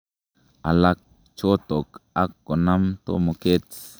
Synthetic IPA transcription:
a˨lak̚ | t͡ʃo˦t̪o˨ka˦kːo˨na˦mt̪o̰˦mo˨ke˦t͡s

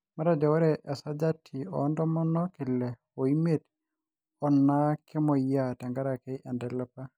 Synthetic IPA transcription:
ma˦ɾa˦dɛ˨wa˦ɾɛ˨ʔɛ˨sa˦d͡ʒa˦tʰi˨ɔ̰˨ndɔ˦mɔ˦nɔ˦kɪ˨lɛ˨ | o˨i˦me˦˨t | ɔ˨nːa˦kɪ˦mɔ˨ja˦ta˨ŋɡa˦ɾa˨kɛ˦ʔɛ˨ndɛ˨la˦pa˦

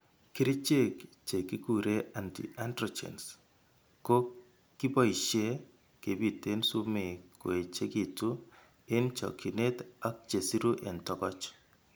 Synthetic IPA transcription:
kɪ˦ɾɪ˦t͡ʃe˦kt͡ʃe˨ki˦ku˨ɾe˦a˨ntḭ˨ʔantrɔ˨t͡ʃḛ˨ns | ko˦ | kːi˦bɔ˦i˨ʃe˦ | ke˨bi˨te˦nsu˦me˨ko˨e˨t͡ʃe˦ki˨tu˦ | ɪ˦nt͡ʃɔ̰˨kʰi˨ne˦ta˦k̚t͡ʃe˨si˦ɾu˦ʔɛ˨ntɔ˦kɔ˦t͡ʃ

